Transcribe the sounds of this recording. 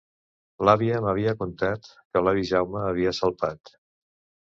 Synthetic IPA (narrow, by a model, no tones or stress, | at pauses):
laβiəməβ̞iəkunt̪at̪kəlaβiʒawməːβiəsəlˠpat̪